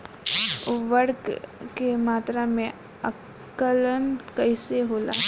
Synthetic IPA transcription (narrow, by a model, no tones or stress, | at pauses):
ʋəɾkkemaːt̪ɾamẽ | ə | kːələnkəɪseɦoːla̰ː